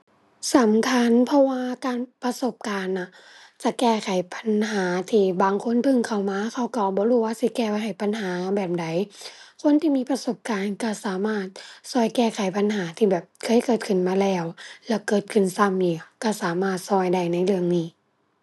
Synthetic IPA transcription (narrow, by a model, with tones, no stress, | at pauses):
sa˨˦mkʰa˧˥˨npʰɔ˧waː˧kaː˨npa˧so˧˩˦p̚kaː˨nːa˧˩ | t͡ɕa˧˩kɛː˧˩kʰa˨˩˦jpʰa˧˦nɦaː˨˦t̪ʰiː˧˩baː˨ŋkʰo˧˥˨nt̪ʰɯ˧˨ŋkʰa˨˩wmaː˧˥˨kʰa˧˩wka˧˩bɔː˧˦ɾuː˧˩waː˧si˧˦kɛː˧pa˧˩ɦa˨˩jpa˧˨nɦaː˨˦bɛː˨˩p̚da˨˦jkʰo˧˥˨nt̪ʰiː˧miː˧˥pa˧so˧˩p̚kaː˨nka˧˩saː˨˦maː˧˩t̪̚sɔː˧˩jkɛː˧˩kʰa˨˩˦jpa˧˨nɦaː˨˦t̪ʰiː˧˩bɛː˨˩p̚kʰɤː˧˥˨jkɤː˨˩t̪̚kʰɯ˧˨˩nmaː˧lɛː˧˩wlɛː˧˩kɤː˨˩t̪̚kʰɯ˧˩˨nsa˧˩˨mjiː˧˩ka˧˩saː˨˦maː˧˩t̪̚sɔː˧˩jda˧˩jna˧˩˨jlɯ˧əŋniː˧˩